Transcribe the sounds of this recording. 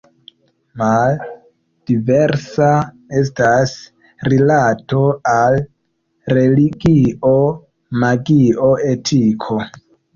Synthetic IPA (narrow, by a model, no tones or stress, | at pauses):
mal | d̥iveɾsa | e̞s̬tas | rilato̞al | ɾe̞liɡio | maɡio̞e̞tʰikʰo̞